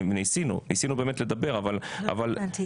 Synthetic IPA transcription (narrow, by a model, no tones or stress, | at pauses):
vnisinṵnisinube̞ːme̞tle̞d̪abe̞ʁavala̰val